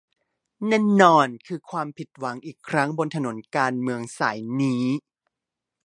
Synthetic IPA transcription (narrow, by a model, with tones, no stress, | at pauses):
nɛː˥˩nːɔː˧nkʰɯː˧kʰwaː˧mpʰi˨˩t̪̚wa˩˦ŋʔiː˨˩kʰɾa˦˥ŋbo˧nt̪ʰa˧no˩˦nkaː˧nmɯ˧əŋsaː˩˦jniː˦˥